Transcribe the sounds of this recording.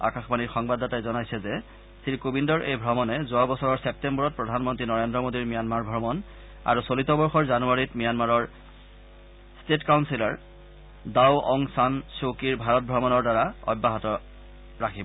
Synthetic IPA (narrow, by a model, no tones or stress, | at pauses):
a̰kaxbaniɹxɔŋbadatajzɔnajsɛzɛ | siɹkobindɔɹʔejbʱɹɔmɔnɛzoabɔsɔɹɔɹsep̚tembɔɹɔt̚pɹɔdʱanmɔntɹinɔɹendɹɔmodiɹmijanmaɹbʱɹɔmɔn | a̰ɹusolitɔbɔɹxɔɹzanuaɹitmijanmaɹɔɹ | stetkawnsilaɹ | dawɔŋsansokiɹbʱaɹɔt̚bʱɹɔmɔnɔɹdaɹaɔ̰bːaɦɔtɔ | ɹakʰibɔ